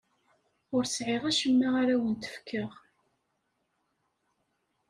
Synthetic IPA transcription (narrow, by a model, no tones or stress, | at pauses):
ʊɾsʕɪʁæʃəmːaʁaɾæwənt̪ə̥fkʰːəʁ